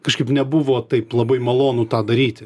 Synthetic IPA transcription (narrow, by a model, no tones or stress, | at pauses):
kɐʃkɐɪpnʲɛbʊʋoːt̪ɐɪplˠɐbɐɪmɐlˠoːnʊt̪ɑːd̪ɐɾʲiːt̪ʲɪ